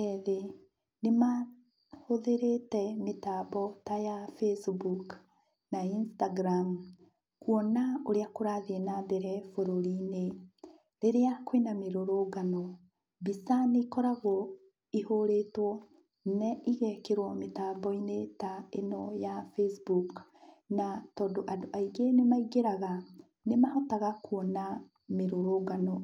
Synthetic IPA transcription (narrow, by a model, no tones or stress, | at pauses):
ɛðe | nema | hoðeɾetɛmetaːbɔtajafesbuk | nainstaɡɾam | kwɔnaoɾeakoɾaðenabɛɾɛfoɾoɾine | ɾeɾeakwenameɾoɾoɡanɔ | bisaneikɔɾaɣɔ | ihoɾetwɔ | nɛiɣɛkeɾwɔmetaːmbɔinetaenɔjafesbuk | natɔdoʔadoʔaiɡenemaiɡeɾaɣa | nemahɔtaɣakwɔna | meɾoɾoɡanɔ